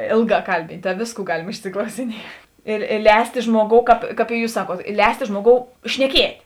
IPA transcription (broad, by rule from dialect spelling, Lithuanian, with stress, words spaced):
ˈeːlˠˌɡɑː ˈkɐlʲbʲiːnʲtʲ tɐ ˈʋʲeːsˌkuː ˈɡɑːlʲɪm ɪʃʲsʲɪklˠɐʊsʲɪˈnʲiɛt ɪ ɪ ˈlʲɛːsʲtʲeː ˈʒmuɔˌɡoːʊ kɑːp kɐp ɪ ˈjuːs ˈsɑːˌkuɔt ˈlʲɛːsʲtʲeː ˈʒmuɔˌɡoːʊ ʃʲnʲɛˈkʲiɛtʲ